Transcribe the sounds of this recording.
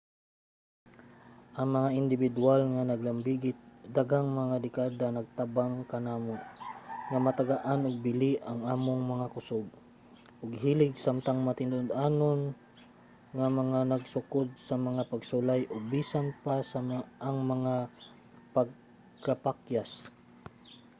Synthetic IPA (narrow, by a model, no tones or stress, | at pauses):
ʔɐŋmɐŋaʔɪnd̪ɪbɪd̪ualŋanɐɡlɐmbiɡɪt̪̚d̪aɡaŋmɐŋad̪ɪkad̪anɐɡ̚t̪abaŋkɐnaːmonŋamɐt̪aɡaʔanʊɡ̚bɪliʔɐŋaːmoŋmɐŋakʊsoɡ̚ | ʔʊɡɦiːlɪɡsamt̪aŋmɐt̪ɪnʊd̪ʔanon | ŋamɐŋanɐɡsʊkod̪̚sɐmɐŋapɐɡsʊlajʔʊbisanpasaʔːŋmɐŋa | paɡ̚ | kapakjas